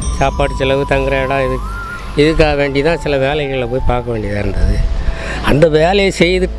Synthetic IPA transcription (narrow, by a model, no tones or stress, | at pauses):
saːpaːʈːɯsɪlɐʋɯt̪ɐŋɡɯɾɐɐɽãːɪðɯ | ɪðɯk̬ːaːɣɐʋeːɳɖit̪ãːsɪlɐʋeːlɐɣɐɪɭɐp̬oːjipaːɾkɐʋeːɳɖɪðãːɪɾɯnd̪ɐðɯ | ɐnd̪ɐʋeːlɐjɐsɛjːɐðɯʈː